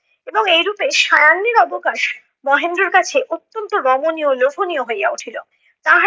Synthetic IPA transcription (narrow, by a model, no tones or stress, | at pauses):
eboŋejɾupeʃajanːeɾɔbokaʃ | mɔɦend̪ɾoɾkat͡ɕʰeʔot̪ːont̪oɾɔmoniolokʰonioɦojɡauʈʰilo | t̪aɦ